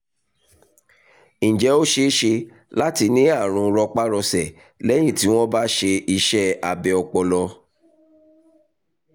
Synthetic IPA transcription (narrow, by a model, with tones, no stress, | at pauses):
ñ̩˨d͡ʒɛ˨˦o˦ʃe˦ʃe˧ | la˦ti˧nĩ˦a˦˨ɾ̃ũ˧ɾɔ˧k͡pa˦ɾɔ˧sɛ˦˨ | lɛ˦j̃ĩ˦˨ti˨˦w̃ɔ̃˦ba˦ʃe˧i˧ʃɛ˦a˧bɛ˨ɔ˧k͡pɔ˧lɔ˧